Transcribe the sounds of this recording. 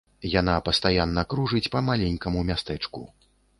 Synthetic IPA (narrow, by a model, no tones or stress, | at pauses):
janapɐst̪ajanːɐkɾuʐɨt͡sʲpɐmalʲenʲkɐmumʲast̪ɛt͡ʂkṵ